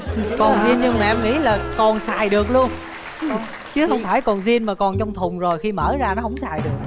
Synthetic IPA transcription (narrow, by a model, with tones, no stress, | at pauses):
kɔ˨˩nzi˧ənɲɨ˧ŋmaː˨ʔɛ˧mŋḭ˧˥laː˨˩kɔ˨˩nsaː˨˩jɗɨ˨˩ək̚lu˧ən | t͡ɕɨ˨˦hə˧wŋ͡mfaː˧˩jkɔ˨˩nzi˧ənmaː˨˩kɔ˨˩nt͡ɕɔ˧wŋ͡mt̪ʰʊ˨˩ŋ͡mzo˨˩jxi˧məː˧˩zaː˧nɔ˨˦ɦə̰˧˩wŋ͡msaː˨˩jɗɨ˨˩ək̚